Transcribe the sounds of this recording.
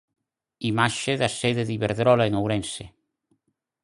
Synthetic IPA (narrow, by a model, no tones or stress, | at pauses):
imaʃeðaseðeðiβeɾðɾɔlaeŋawɾɛnse